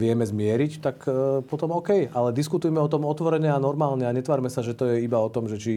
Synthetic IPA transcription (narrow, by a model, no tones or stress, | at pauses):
ʋɪɛmɛzmɪɛɾict̪akpɔt̪ɔmɔkɛjalɛd̪iskut̪ujɛmɛɔt̪ɔmɔt̪ʋɔɾɛɲɛanɔɾmaːlɲɛaɲɛt̪ʋaːɾmɛsaʒɛt̪ɔjɛibaɔt̪ɔmʒɛt͡ʃi